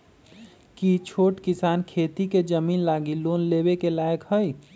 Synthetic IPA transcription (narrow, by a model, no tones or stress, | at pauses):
kit͡ʃʰoːʈkisaːnkʰeːt̪iked͡ʒəmiːnlaːɡiloːnlebekelajəkɦəj